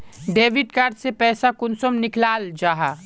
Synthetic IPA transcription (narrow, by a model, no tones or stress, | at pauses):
ɖeːʋɪɖkaːɾɖsepɛːsakʊnsəmnɪklaːld͡ʒaːɦaː